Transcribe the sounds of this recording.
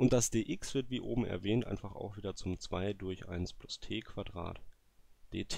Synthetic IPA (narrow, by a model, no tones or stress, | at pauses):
ʔʊnt̚d̥asd̥eːʔɪksv̥ɪɐtv̥iːʔo̰ːbm̩ɛ̰ɐvɛːntʔa̰ɪnfaχa̰ʊxv̥iːdɐt͡sʊmt͡sv̥aɪdʊɐçʔa̰ɪnsplʊstʰeːkʰv̥adʁa̰ːt | d̥eːtʰ